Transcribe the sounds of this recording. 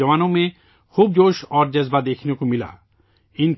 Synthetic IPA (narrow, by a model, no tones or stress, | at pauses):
ɔmanome | kʰub̚d͡ʑoʃɔɾd͡ʑɛzbad̪ekʰinokumila̰ | in